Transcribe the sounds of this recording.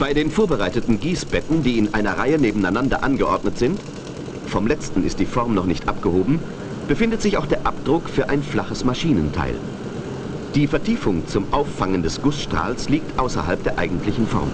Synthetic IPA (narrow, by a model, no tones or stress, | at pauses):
b̥aɪdeːnfoːɐbəʁaɪtətn̩ɡiːsb̥ɛtn̩diːɪnʔaɪnɐʁaɪəneːbm̩aɪnandɐ̰ʔanɡəʔɔɐdnətz̥ɪnt | fɔmlɛt͡stn̩ɪ̰st̚d̥iːfɔɐmnɔχnɪçtʔap̚ɡ̥əhoːbm̩ | b̥əfɪndətz̥ɪçaʊxd̥eːɐʔap̚d̥ʁʊkfyːɐʔa̰ɪnflaχəsmaʃiːnəntʰa̰ɪl | d̥iːfɛɐtʰiːfʊŋt͡sʊmʔaʊfːaŋəndɛsɡ̥ʊsʃtʁ̥a̰ːlsliːk̚tʔaʊsɐ̰ha̰lp̚d̥eːɐʔa̰ɪɡŋ̩tlɪçn̩fɔ̰ɐm